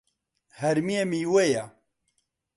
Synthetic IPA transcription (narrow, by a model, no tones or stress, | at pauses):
hɛɾmiemiːweja